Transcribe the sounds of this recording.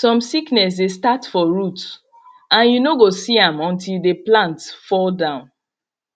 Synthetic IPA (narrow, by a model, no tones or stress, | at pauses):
sɔ̃msiknɛs̬destatfɔɹut | ãnjunoɡosiãmɔ̃ntildeplãntfɔldãʊ̃n